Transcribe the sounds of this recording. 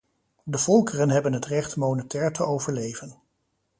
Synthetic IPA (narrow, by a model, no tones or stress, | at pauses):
dəv̥ɔlˠkərənɦɛbənɦətrɛχtmoːnətɛːɹtʰəowvəɹlejvən